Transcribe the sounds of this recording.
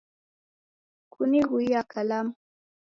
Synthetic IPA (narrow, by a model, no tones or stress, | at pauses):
kʰuniɣuijakʰalam